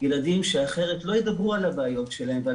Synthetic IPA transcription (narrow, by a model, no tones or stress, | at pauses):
jelad̪imʃe̞aχe̞ʁet̪lo̞jed̪abʁualabaːjo̞tʃe̞lahemvea